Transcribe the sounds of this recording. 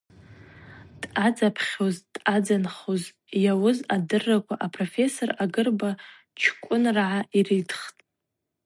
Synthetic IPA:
d̥ʼad͡zapʰχʲo̞zd̥ʼad͡zanχoz | jawʊzadɨrːakʷʰaʔapʰʼrofe̞so̞raɡɨrba | t͡ʃʰkʷʼʊnrʕaʔiridʰχtʼ

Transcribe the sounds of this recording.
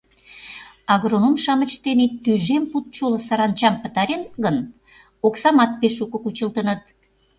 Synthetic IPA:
ɑɣronumʃɑmət͡ɕt̪enit̪yʒemput̪̚t͡ɕolə̆sɑɾɑnt͡ɕɑmpə̆t̪ɑɾenɡən | oksɑmɑt̪̚peʃukə̆kut͡ɕəlt̪ənət̪̚

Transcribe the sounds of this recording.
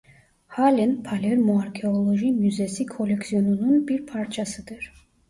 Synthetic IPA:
halɛnpʰalɛɾmɔaɾkʰɛɔlˠɔʒimjyzɛsikʰɔlɛksiɔnununbiɾpʰaɾt͡ʃʰasɨd̪ɨɾ

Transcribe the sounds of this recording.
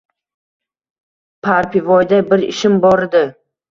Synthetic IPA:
pʰaɾpɪvɒjd̪abɪɾɪ̰ʃɪmbɒɾɪd̪ɪ

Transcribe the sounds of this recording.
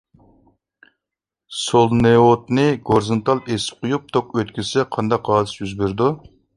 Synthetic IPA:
solˠneot̪nɨɡoɾzɨnt̪ʰɑlˠesɪ̥p̚qʰʊjup̚t̪ʰokøt̪̚kʲisɛqʰɑnd̪ɑqɑːd̪ɨsjyzbeɾd̪u

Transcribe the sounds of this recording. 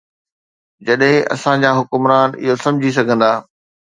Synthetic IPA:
d͡ʑɐɗɦɪ̃ʔɐ̰sãd͡ʑaːɦʊkʊmɾaːnɪ̰ɦosɐ̃md͡ʑʱis̬ɐɡʱə̃nd̪aː

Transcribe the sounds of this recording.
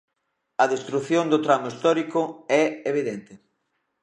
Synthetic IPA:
ɐðest̪ɾuθjond̪ʊt̪ɾamʊist̪ɔɾikʊɛeβ̞iðent̪ɪ

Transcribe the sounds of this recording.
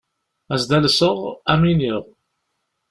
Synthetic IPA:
æzd̪ælsəʁæminiʁ

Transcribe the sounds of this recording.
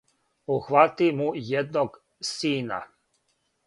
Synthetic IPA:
uxʋat̪imujed̪noɡ | siːna̰

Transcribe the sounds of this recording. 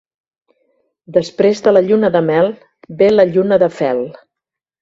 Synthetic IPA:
d̪əspɾezðələʎunəðəmɛlˠ | beləʎunəðəfɛlˠ

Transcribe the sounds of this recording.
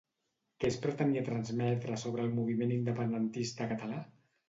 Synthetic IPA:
kɛspɾət̪əniət̪ɾənzmɛt̪ɾəsoβ̞ɾəːlˠmuβ̞imenind̪əpənd̪ənt̪ist̪əkət̪əla

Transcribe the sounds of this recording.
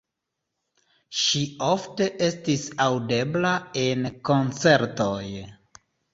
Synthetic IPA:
ʃiofte̞ʔe̞stisawde̞blae̞nko̞nt͡se̞ɾtoj

